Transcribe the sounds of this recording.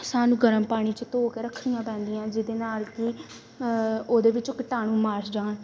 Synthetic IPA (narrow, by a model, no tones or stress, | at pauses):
saːnũːɡəɾəmpaːɽ̃iːt͡ʃət̪oːkeːɾəkʰːɾijãːpɛ̃ːnd̪ijãːd͡ʒɪd̪eːnaːlkɪ | oːd̪eːʋɪt͡ʃkəʈaːñũːmaːɾsd͡ʒaːɳ